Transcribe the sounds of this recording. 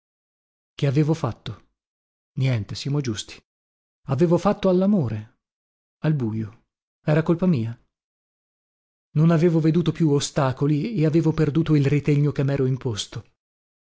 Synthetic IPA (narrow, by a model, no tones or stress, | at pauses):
keaveːvofat̪ːo | njɛnt̪esjamod͡ʒust̪i̥ | aveːvofat̪ːoalːamoːɾe | albuːjo | ɛːɾakolpamiːa | nonaveːvoved̪uːt̪opjuost̪aːkolieaveːvoperd̪uːt̪oilrit̪eɲːokemːɛːɾoimpost̪o